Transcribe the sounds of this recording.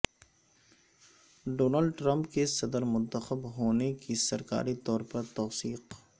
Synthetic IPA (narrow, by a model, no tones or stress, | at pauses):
ɖoːnalɖʈɾə̃mpkesɐd̪əɾmʊ̃nt̪əxəbɦoːnekisɐɾka̰ːɾit̪ɔːɾpɐɾt̪ɔːsiːq